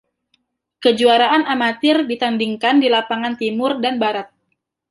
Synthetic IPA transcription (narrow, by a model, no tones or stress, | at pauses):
kəd͡ʒuaɾaʔanamat̪ɪrdit̪andiŋkandilapaŋant̪imʊrdanbaɾat̪̚